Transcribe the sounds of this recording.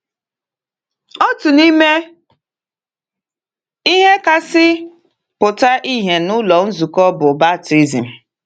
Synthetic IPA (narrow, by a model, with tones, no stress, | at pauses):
ɔ˦tʊ˨ni˦me˦ | i˦ɦe˦ka˨sɪ˦ | pʊ˨ta˦ʔi˦ɦe˨nʊ˦lɔ˨n̩˦zu˨kɔ˦bʊ˨ba˦˨ti˦zi˨m̩˨